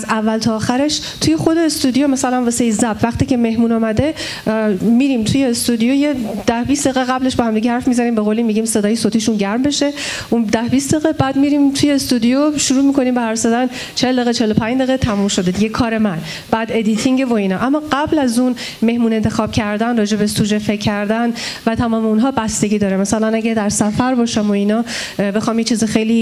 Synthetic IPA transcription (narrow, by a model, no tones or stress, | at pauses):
zævːælt̪ʰɒːxæɾeʃt̪ʰujexo̞d̪e̞ːst̪ud̪ijomæsælænvoseizæbvæχt̪iːce̞me̞hmuːnɒːmæd̪e̞ | miɾimt̪ʰuje̞ːst̪ud̪ijojed̪̥æhbistd̪eɣeɣæbleʃbehæmd̪iɟehæɾfmizæniːmbeɣoːlimːiɟimse̞d̪ɒːjesot̪ʰiʃunɟæɾmbe̞ʃe̞ | ʔund̪æhbist̪d̪eɣe̞bæːd̪miɾimt̪ʰujest̪ud̪ijoʃuɾuːmikʰo̞nimbehæɾsed̪æn | t͡ʃʰeld̪eɣet͡ʃʰelopʰæɲd͡ʒd̪eɣet̪ʰæmumʃo̞d̪ed̪iɟekʰɒːɾemæn | b̥æːd̪e̞d̪it̪ʰiŋɟevo̞iːnɒːʔæmːɒːɢæblæzun | me̞hmuːnent̪ʰe̞xɒːb̥cʰæɾd̪ænrɒːd͡ʒe̞besud͡ʒefeckʰːæɾd̪ænvæt̪ʰæmɒːmeunɦɒːbæst̪e̞ɟiːd̪ɒːɾemæsælænæɟæd̪æɾsæfæɾbɒːʃæmoinɒː | be̞xɒːmjet͡ʃʰiːzixejliː